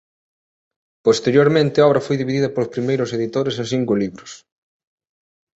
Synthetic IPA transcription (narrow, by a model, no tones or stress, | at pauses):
post̪eɾjoɾmẽnt̪ɪaɔβɾɐfojðiβiðiðɐpolospɾimejɾʊseðit̪oɾes̬ɐs̬iŋkoliβɾʊs